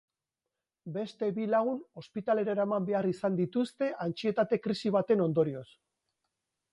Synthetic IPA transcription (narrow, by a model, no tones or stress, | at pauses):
be̞st̪e̞βilaɣuno̞spit̪ale̞ɾaeɾamambe̞arisand̪it̪ust̪e̞ʔant͡sie̞t̪at̪e̞kɾisiβ̞at̪e̞no̞nd̪o̞ɾio̞s